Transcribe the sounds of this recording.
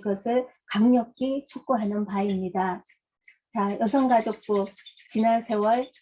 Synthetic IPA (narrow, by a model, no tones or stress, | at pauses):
ɡʌsʰɯɭ | kaŋɲʌkʰit͡ɕʰok̚k͈oɦenɯnpaimɲida | t͡ɕajʌs̬ʰʌŋɡad͡ʑok̚p͈ot͡ɕinansʰe̞wʌɭ